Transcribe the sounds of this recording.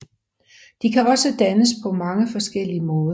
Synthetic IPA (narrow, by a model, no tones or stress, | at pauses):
d̥ikʰæɒ̽səd̥ænəspʰɒ̽mɑ̈ŋəfɒ̽sɡ̥el̰iəmɔ̽ːðˠɐ